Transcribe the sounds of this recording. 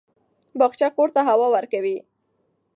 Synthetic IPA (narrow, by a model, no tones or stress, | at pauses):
bɑxt͡ʃakoɾt̪aɦawɑwəɾkawi